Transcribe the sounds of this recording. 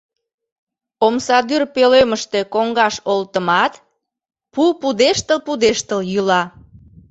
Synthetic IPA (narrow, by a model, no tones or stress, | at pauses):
omsɑd̪yrpeløməʃt̪e̽koŋɡɑʃolt̪əmɑt̪ | pupud̪eʃt̪əlpud̪eʃt̪əljylɑ